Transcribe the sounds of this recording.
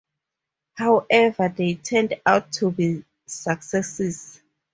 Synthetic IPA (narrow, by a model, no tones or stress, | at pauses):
hawʔɛvaðetʰɛ̃ndawtʰːubi | saksɛsis